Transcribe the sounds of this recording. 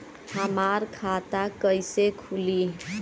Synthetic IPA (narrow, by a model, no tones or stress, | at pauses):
həmaɾkʰat̪akəjsekʰuli